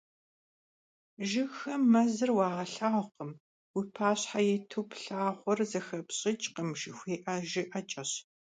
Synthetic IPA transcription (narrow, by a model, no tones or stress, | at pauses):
ʒɪxɐmːɐzɨrwɑːʁɐɬaːqəm | wipʰaːɕħajɛtʰupʰɬaːχʷɔrzɐxɐpɕʼɪt͡ʃʼqəmʃɪxʷeːʔɐʒɪʔɐt͡ʃʼɐɕ